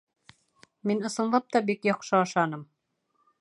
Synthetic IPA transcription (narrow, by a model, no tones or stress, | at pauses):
minɤ̆sɤ̆nlˠɑp̚t̪ɑbikjɑqʃɤɑʃɑnɤm